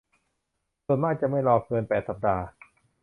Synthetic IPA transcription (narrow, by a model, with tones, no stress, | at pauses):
su˨˩ənmaː˥˩k̚t͡ɕa˨˩ʔma˥˩jlɔː˧kɤː˧npɛː˨˩t̪̚sa˨˩p̚daː˧